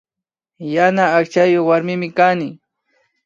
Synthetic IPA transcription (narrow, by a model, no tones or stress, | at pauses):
janaːkt͡ʃajoχwaɾmɪmɪkanɪ